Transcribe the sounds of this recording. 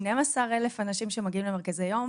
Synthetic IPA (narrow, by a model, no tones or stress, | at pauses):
nemasaʁelefanaʃimʃemaɡiimlemekazajom